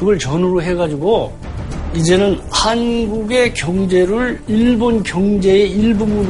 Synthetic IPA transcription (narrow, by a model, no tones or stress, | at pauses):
kɯɡʌɭt͡ɕʌnɯɾoɦe̞ɡad͡ʑiɡo | id͡ʑe̞nɯnhanɡuɡe̞kjʌŋd͡ʑe̞ɾɯɭiɭbonkjʌŋd͡ʑe̞eiɭbunɡud